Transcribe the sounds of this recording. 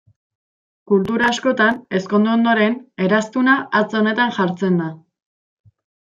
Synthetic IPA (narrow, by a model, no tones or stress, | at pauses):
kult̪uɾaːsko̞t̪ane̞sko̞nd̪uond̪o̞ɾe̞ne̞ɾast̪unaʔːt͡so̞ne̞t̪anʝaɾt͡se̞nd̪a